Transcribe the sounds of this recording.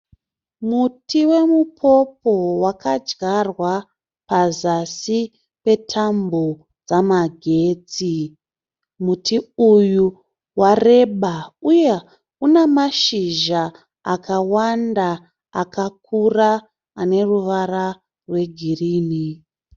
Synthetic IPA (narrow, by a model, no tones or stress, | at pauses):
mutiwe̞mupʰo̞po̞wakad͡ʒɡarwa | pazasi | pe̞tʰambo | d͡zamaɡʱe̞ːd͡zi | mutʰiuju | ware̞ɓauje | unemaʃiʒa | akawanda | akak̚ʰuraː | ne̞ruʋara | rwe̞ɡʱiriːni